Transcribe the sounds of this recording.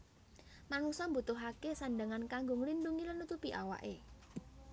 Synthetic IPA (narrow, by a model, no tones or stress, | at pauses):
manusɔmbut̪ʊɦakesaɳɖəŋankaŋɡʊŋlinɖuŋilənut̪upiʔa̰wa̰ʔe